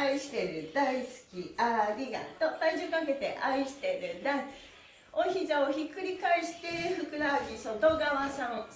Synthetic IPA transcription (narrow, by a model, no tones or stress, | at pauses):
aiɕi̥t̪e̞ɾɯ̟d̪aisɨ̥kʲiaɾʲiɡa̰t̪ot̪aid͡ʑɨkake̞t̪e̞̰ʔaiɕi̥t̪e̞ɾɯ̟d̪ai | oçizaoçikɯ̟ɾʲikaeɕi̥t̪eɸɯ̟kɯ̟ɾaɡʲisod̪oːɡaβasã